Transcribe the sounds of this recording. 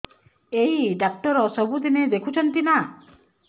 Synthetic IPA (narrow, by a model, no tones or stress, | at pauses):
ejiɖak̚ʈɔɾɔsɔbud̪ined̪ekʰut͡ʃʰɔnt̪ina